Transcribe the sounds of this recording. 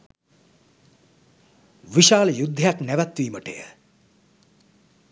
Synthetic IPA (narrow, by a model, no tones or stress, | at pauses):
ʋiʃaːlɐjud̪ʱːjaknɛʋat̪ʋiːməʈḛjə̰